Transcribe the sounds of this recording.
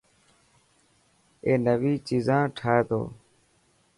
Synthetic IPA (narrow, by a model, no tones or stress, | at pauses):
eːnəʋiːt͡ʃiːzãːʈʰaːeːt̪o̰ː